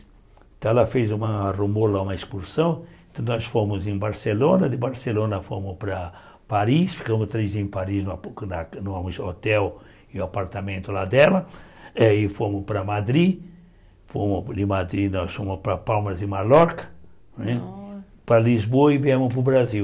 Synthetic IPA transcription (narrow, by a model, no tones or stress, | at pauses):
t̪ɛlɐfejzũmɐrumolaũmɐeskuɾsɐ̃w̃t̪ɐ̃w̃nɔsfõmʊzẽj̃baɾselõnɐd̪ɪbaɾselõnɐfo̰mʊspɾɐ | paɾisfi̥kɐ̃mʊst̪ɾejzẽj̃paɾiznʊapnɐnũamʊzot̪ɛw | ɪapaɾt̪amẽnt̪ʊlad̪ɛlɐɛɪfomʊspɾɐmad̪ɾi | fomʊd̪ɪmad̪ɾinɔsfõmʊspɾɐpawmɐzɪ̃maɾɔɾkɐ̥ | nɛ̃ | pɾɐlizboɐɪviẽmʊsp̬ʊbɾaziw